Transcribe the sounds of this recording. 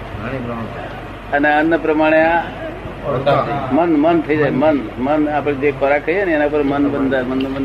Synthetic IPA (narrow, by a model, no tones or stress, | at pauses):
əneənːəpɾəmaɽ̃ea | mənmənt̪ʰəid͡ʒaemənmənapɽd͡ʒepəɾakəianenapəɾmənbənd̪amənːbən